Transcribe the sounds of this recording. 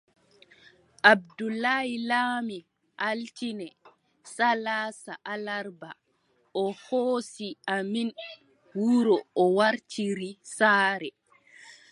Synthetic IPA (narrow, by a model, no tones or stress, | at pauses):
ʔabdulːahilaːmi | ʔaltinɛ | salaːsaʔalaɾba | ɔhoːsiamin | wuɾɔɔwaɾtiɾisaːɾɛ